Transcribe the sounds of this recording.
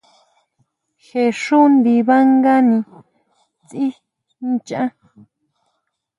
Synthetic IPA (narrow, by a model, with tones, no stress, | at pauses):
xe˧˨ʂu˦nd̪i˧βa˦ŋɡa˦nĩ˧ | t͡si˦ | n˦t͡ʃã˦